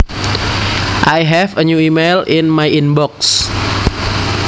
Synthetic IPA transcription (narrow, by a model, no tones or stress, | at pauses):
ʔajɦɛfəɲuimejlɪnmajinbɔks